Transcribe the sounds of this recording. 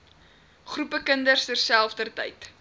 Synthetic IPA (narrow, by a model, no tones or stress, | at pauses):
χrupəkəndərstərsælˠfdərtə̰jt